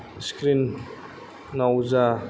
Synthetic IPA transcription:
skɾinː | awza

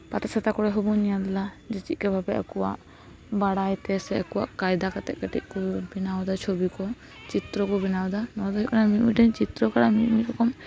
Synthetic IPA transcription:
pat̪asʰat̪akɔɽɛɦɔbɔnijad̪la | d͡ʒɛt͡ʃit̪̚ˀkɛbʱabɛakɔwa̰ʔ | baɽajt̪ɛsɛakɔwa̰ʔkajd̪akat̪ɛ̰ʔkaʈḭʔ̚ˀkɔbinawd̪at͡ʃʰobikɔ | t͡ʃit̪ɾɔkɔbinawd̪anɔd̪ɔɦikanamiʔmiʈɛɲt͡ʃit̪ɾɔkaɽamiʔmiɾɔkʰɔm

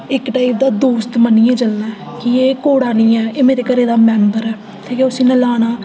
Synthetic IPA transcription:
ɪkʈaːɪp̚d̪aːd̪uːst̪mənːiːɛ̃ːd͡ʒəlnaː | kɪeːkoːɽaːniːɛ̃ːeːmeːɾeːkəɾeːd̪aːmɛːnbəɾɛː | t̪ʰeːkeːʊsĩːnɛlaːɽ̃aː

